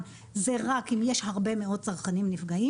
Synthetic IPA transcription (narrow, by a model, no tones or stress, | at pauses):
zeʁakimjeʃhaʁbe̞meo̞t̚t͡saʁχanimnifɡai